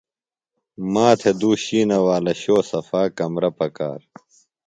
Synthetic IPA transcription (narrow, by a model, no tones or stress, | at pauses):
maːt̪ʰed̪uːɕiːnɐwaːlɐɕoːsɐfaːkɐmɾɐpɐka̰ːɾ